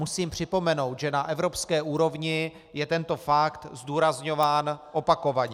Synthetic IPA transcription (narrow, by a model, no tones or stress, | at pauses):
musiːmpr̝̥ɪpo̞mɛno̞wt̪ʒɛnaʔɛvɾo̞pskɛːʔuːɾo̞vɲɪ | jɛt̪ɛnt̪o̞fakt̪zd̪uːɾazɲo̞vaːnʔopako̞vaɲɛ